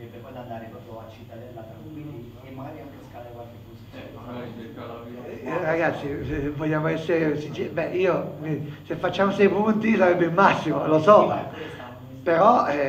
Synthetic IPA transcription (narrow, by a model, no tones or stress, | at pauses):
bɔd̪and̪aɾepɾɔpoat͡ʃːit̪ːad̪ɛlːatakwind̪i | mːaɡaɾiaŋkeskalekwalkebus | ɾaɣat̪sːivɔʎːaːmoɛsːeɾesid͡ʒɛbɛʔiːomisefːat͡ʃːaːmosɛjpunt̪isaɾɛbːelmasːimolosɔ | peɾɔ